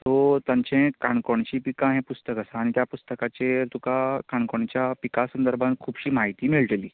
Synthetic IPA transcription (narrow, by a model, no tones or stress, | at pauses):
t̪ot̪jãɲt͡ɕɛ̃kaɳkoɳt͡ɕiːpikãɦɛ̃pust̪əkəsaːɽ̃it̪japust̪əkat͡ɕet̪ukakaɳkoɳt͡ɕjapikasənd̪əɾbʱãnt̪̚kʰuːbɕiːmaɦit̪iːmiɭʈliː